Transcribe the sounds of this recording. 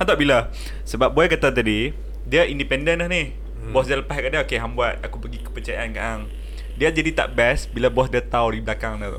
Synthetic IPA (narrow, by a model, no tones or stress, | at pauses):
ãt̪aʔbila | səbap̚boɛkat̪at̪adi | diəindipɛndənahnih | bɔsdiələpaskadaokeɦambuat̪̚akupəɡikə̥pət͡ʃajaʔanka̰ʔaŋ | diad͡ʒadit̪a̰ʔbɛsbilabɔsdiat̪awdibəlakaŋna